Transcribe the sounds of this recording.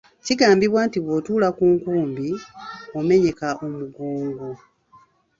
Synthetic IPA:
ciɡaːmbiβwaːntiβwotuːlakuːŋkuːmbiome̞ɲe̞kaʔo̞muɡoːŋɡo

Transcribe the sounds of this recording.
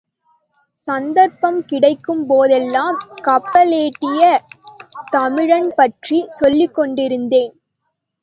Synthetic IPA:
sɐnd̪ɐɾpɐmkɪɽɐɪkːɯmpoːðɛlːaːmkɐpːɐleːʈːɪjɐ | t̪ɐmɪɻɐnpɐʈrisɔlːɪkːɔɳɖɪɾɯnd̪eːn

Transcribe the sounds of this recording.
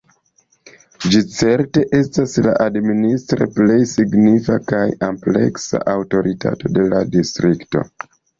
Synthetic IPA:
d͡ʒit͡se̞ɾte̞ʔe̞stasla̰ʔadministɾe̞̰ple̞jsiɡnifakajample̞̰ksa̰ʔawto̞ɾita̰to̞de̞ladistɾikto̞̰

